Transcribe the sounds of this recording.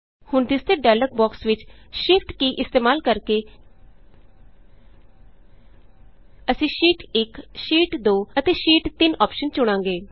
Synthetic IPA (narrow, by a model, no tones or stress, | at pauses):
hʊɳt̪ɪst̪eːɖɛːlək̚bɔːksʋɪt͡ʃʃɪfʈkiːʔɪst̪eːmaːlkəɾkeː | əsĩːʃiːʈɪkʃiːʈd̪oːət̪eːʃiːʈt̪ɪnɔːpʃənt͡ʃʊɽ̃ãːŋɡeː